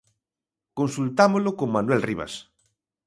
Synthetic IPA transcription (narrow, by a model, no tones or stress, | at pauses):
konsult̪amolokoŋmanuwɛlriβa̰s